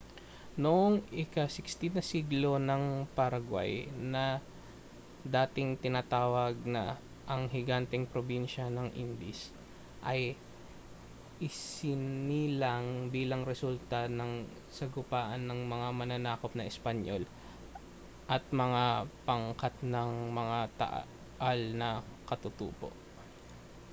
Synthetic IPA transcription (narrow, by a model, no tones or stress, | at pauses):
noʔoŋʔɪkasɪkst̪ɪnɐsiɡlo̞nɐŋpɐɾɐɡwa̰jnɐ | d̪aːt̪ɪŋt̪ɪnaːt̪aːwɐɡ̚nɐ̰ | ʔɐŋhɪɡant̪ɛŋpɾobinʃɐnɐŋʔḭnd̪ɪs | ʔɐj | ʔɪsɪnilɐŋbiːlɐŋɾɛsult̪ɐnɐŋ | sɐɡʊpaːʔɐnːɐŋmɐŋamɐnɐnaːkop̚nɐɪspɐɲʔol | ʔɐt̪̚mɐŋapɐŋkat̪nɐŋmɐŋat̪ɐ̰ʔ | ʔalnɐkɐt̪ʊt̪ṵːpo̰ʔ